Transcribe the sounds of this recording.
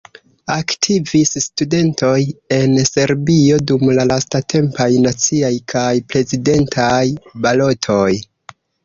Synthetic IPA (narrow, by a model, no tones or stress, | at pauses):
aktʰivisstude̞nto̞je̞nse̞ɾbio̞dumlalastatʰe̞mpajnat͡siajkʰajpɾe̞zide̞ntʰajbalo̞tʰo̞j